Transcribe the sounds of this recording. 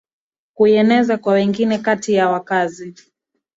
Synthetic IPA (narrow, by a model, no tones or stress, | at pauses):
kuɛnɛzakwawɛŋɡinɛkatijawakazi